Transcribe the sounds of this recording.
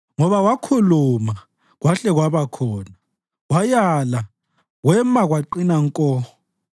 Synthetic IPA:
ŋɔβawakʰuluma | ɣwaɬɛɣwaβakʰɔːna | wajala | ɣwɛmaɣwaǃinaŋkʼɔːɔ

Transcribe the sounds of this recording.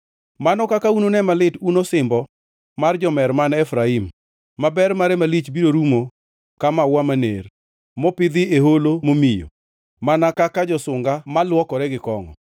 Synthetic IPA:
manɔkakaunonɛmalɪtunosɪmbɔ | mard͡ʒɔmɛɾmanɛfɾaimː | abɛɾmaɾɛmalit͡ʃbiɾoɾumo | kamawamanḛr | mɔpɪd̪ɪeholomomijo̰ | manakakad͡ʒɔsʊŋɡamalwɔkɔɾɛɡɪkɔŋɔ̰

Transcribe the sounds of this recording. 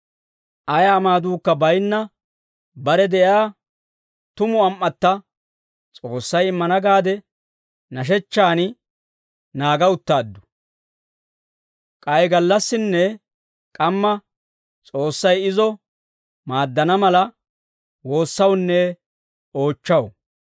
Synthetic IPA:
ʔɐjɐːmaːd̪uːkːɐbɐjnːɐ | bɐɾɛd̪ɛʔjaː | t̪ʊmʊɐmʔːɐt̪ːɐ | t͡sʼo̞ːsːɐjɪmːɐnɐɡaːd̪ɛ | nɐʃ̬ɛt͡ʃːaːn | naːɡɐʊt̪ːaːd̪ːʊ̥ | kʼɐjɡɐlːɐsːɪnːɛ | kʼɐmːɐ | t͡sʼo̞ːsːɐjɪzɔ | maːd̪ːɐnɐmɐlɐ | wo̞ːsːɐwnːɛ | o̞ːt͡ʃːɐw

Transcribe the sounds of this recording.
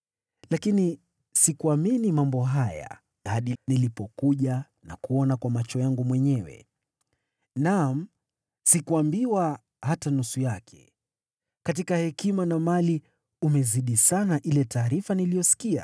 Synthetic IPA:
lakini | sikuaminimambɔɦaja̰ | aɗinilipɔkuʄa | nakuɔnakwamat͡ʃɔjaŋɡumwɛɲɛwɛ̰ | nam̩ | sikuambiwa | hatanusujakʰɛ̥̰ | kat̬ikahɛkimanamali | umɛziɗisanaʔilɛtaːɾifanilijɔsi̥kia̰

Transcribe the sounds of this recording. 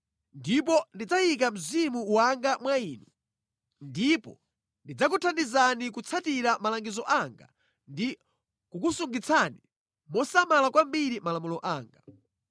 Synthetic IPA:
ndip̬ɔndid͡zaik̬am̩zimuwaŋɡamwaiːnu | ndipɔ̰ | ndid͡zak̬utʰandizanikut͡sʰatiɾamalaŋɡizɔʔaŋɡa̰ | ndi | kukusuŋɡit͡sʰani | mɔsamalakwambiɾimalamulɔʔaːŋɡa

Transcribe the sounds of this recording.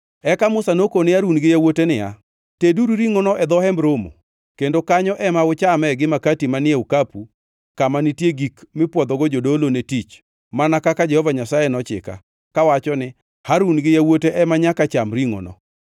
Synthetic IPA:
ɛkamʊsanokonɪaɾunɡɪjawotenɪja̰ | teduɾuɾiŋonɔʔɛd̪ɔhɛmɾomo̰ | kendokaɲɔʔɛmaʊt͡ʃamɛɡɪmakatimanɪeukapu | kamanɪtjeɡikmɪpwɔd̪ɔɡod͡ʒodolonetit͡ʃ | manakakad͡ʒɛhɔvaɲasajɛnɔt͡ʃɪ̰ka̰ | kawat͡ʃɔnɪ | haɾunɡɪjawoteʔɛmaɲakat͡ʃamɾiŋo̰nɔ̰

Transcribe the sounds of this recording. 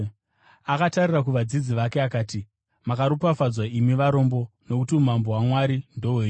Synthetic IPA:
akatarirakuʋad͡zid͡ziʋakeakaːti | makaɾupafad͡zwaimiʋaɾo̞ːmbo̞no̞kutiumambo̞ɦwamwaɾindo̞weːɲ

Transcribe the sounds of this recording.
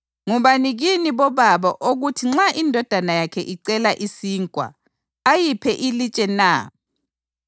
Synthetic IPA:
ŋuβaniɣiniβɔβaβɔʔoɣutʰiŋ͡ǁaʔindʱɔd̥ʱanajakʰɛ̰ʔiǀɛlaʔisiːŋkʼwa̰ː | jipʰɛʔilit͡ʃʼɛna

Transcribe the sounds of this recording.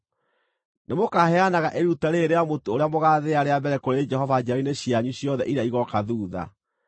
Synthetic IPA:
nemokahɛanaɣaʔeɾutaɾeːɾeamotooɾeamoɣaːðeaɾeabɛɾɛkoɾed͡ʒɛɦɔvad͡ʒaineɕiaɲuɕjɔðɛ̰ʔiɾeaiɣɔkaðuːða̰

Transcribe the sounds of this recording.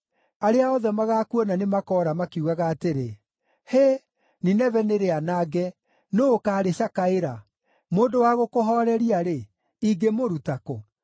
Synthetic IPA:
aɾeaɔðɛmaɣakuɔnanemakɔɾamakeuɣaɣaːteɾe | he | ninɛvɛneɾeanaɡɛ | noːkaːɾeɕakaeɾa | moːndowaɣokoɦɔɾɛɾiaɾe | iɡemoɾutako

